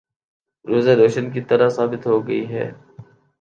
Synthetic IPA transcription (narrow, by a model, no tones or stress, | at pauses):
ɾoːzeɾoːʃənkit̪ɐɾəsaːbɪt̪ɦoːɡəiɦɛ̰ː